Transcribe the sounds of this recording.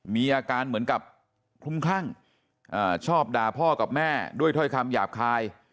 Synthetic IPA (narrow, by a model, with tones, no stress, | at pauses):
miː˧ʔaː˧kaː˧nmɯ˩˦ənka˨˩p̚ | kʰlu˦˥˩mkʰaː˥˩ŋ | ʔaː˧˩t͡ɕʰɔː˥˩p̚daː˧pʰɔː˥˩ka˨˩p̚mɛː˥˩du˥˩əjt̪ʰɔ˥˩jkʰa˧mjaː˨˩p̚kʰaː˧j